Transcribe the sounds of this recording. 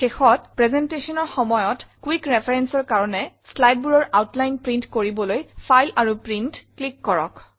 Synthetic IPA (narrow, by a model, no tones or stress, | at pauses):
xexɔt̚pɹɛzɛntesɔnɔɹxɔmɔjɔtkwikɹɛpʰɛɹɛnsɔɹkaɹɔnɛ | slajd̚buɹɔɹʔawtlajnpɹĩntkoɹibɔlojpʰajlaɹupɹintklikːɔɹɔ̰k